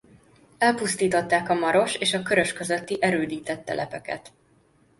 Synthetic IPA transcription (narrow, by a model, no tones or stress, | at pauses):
ɛlpust̪iːt̪o̞t̪ːaːkɒmɒɾo̞ʃeːʃɒkø̞ɾø̞ʃkø̞zø̞t̪ːiʔɛɾøːd̪iːt̪ɛt̪ːɛ̰lʔɛpɛkɛ̰t̪